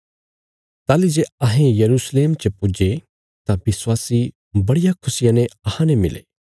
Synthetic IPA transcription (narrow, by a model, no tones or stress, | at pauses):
t̪aːlid͡ʒeːɐɦẽjɐɾuːsleːmt͡ʃəpud͡ʒe | t̪ãbɪswaːsi | bɐɽɪjakʰʊsɪjãnẽɐhãnemɪlḛː